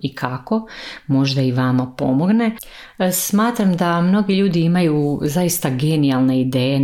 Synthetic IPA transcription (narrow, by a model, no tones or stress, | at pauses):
ikʰako̞mo̞ʒd̪aiʋamapo̞mo̞ɡne̞ | smaːt̪ɾamd̪amno̞ɡiʎuːd̪iimajuzaist̪aɡe̞nialˠne̞id̪eːje